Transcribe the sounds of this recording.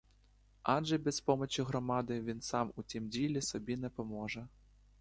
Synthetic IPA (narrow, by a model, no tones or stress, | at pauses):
aʐɛbʲɛspɔmɐt͡ɕiɣɾɔmad̪ɨvʲinsamut̪ʲimd͡zʲilʲɛsɔbʲinɐpɐmɔʐɐ